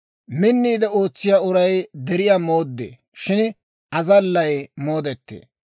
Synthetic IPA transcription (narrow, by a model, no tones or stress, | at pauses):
mɪnːiːd̪ɛo̞ːt͡sːɪjaʊɾɐjd̪ɛɾɪjaːmo̞ːd̪ːḛː | ʃɪn | ʔɐzɐlːɐjmo̞ːd̪ɛt̪ːḛː